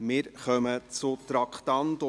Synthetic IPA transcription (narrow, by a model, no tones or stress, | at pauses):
mɪːɾχœmət͡sʊt̪ɾɑkχt̪ɑntʊ